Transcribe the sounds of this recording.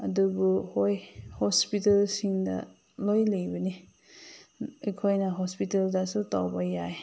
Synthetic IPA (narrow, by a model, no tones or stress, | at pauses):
ɐdubuhojhospitelsiŋdɐ̰ | lojlejbɐni | ikʰojnaɦɔspiteldasutawbajaj